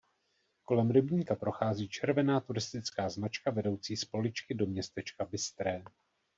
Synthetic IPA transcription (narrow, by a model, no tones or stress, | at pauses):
ko̞lɛmɾɛbɲiːkapɾo̞xaːziːt͡ʃɛɾvɛnaːt̪uɾɪst̪ɪt͡skaːznat͡ʃkavɛdo̞wt͡siːspo̞lɪt͡ʃkɪdo̞mɲɛst̪ɛt͡ʃkabɪst̪ɾɛː